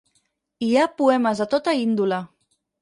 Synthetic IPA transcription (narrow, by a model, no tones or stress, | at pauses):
iapuɛməzət̪ɔt̪əind̪ulə